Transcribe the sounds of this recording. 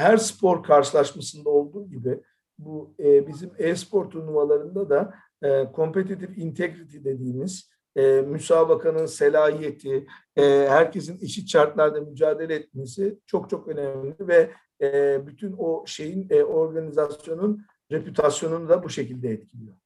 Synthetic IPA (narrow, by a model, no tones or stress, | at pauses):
hæɾspʰo̞ɾkʰaɾʃɯlˠaʃmasɯnd̪ao̞lˠd̪uːɟibɪ | bubizimɛspʰo̞ɾt̪ʰunuvalˠaɾɯnd̪ad̪aː | kʰo̞mpe̞t̪̬it̪ifint̪ʰeɡɾit̪ʰid̪e̞d̪iːmiz̥ | ɛmysaːbakʰanɯnse̞lʲaːɦije̞t̪ʰiː | hæɾce̞s̬ineʃit̪t͡ʃaɾt̪lˠaɾd̪amyd͡ʒaːd̪e̞lʲɛɛt̪̚me̞sit͡ʃʰo̞k̚t͡ʃʰo̞kø̞nɛmlʲivɛ | byt̪ʰynoʃe̞jino̞ɾɡanizasjo̞nun | ɾe̞pyt̪ʰasjo̞nunud̪abuʃe̞cilʲd̪ɛɛt̪̚cʰilʲijo̞ɾ